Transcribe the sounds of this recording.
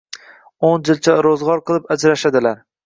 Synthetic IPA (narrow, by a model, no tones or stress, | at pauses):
ond͡ʒɪlt͡ʃʰaɾozʁɒɾqʰɨlˠɪpad͡ʒɾaʃad̪ɪlaɾ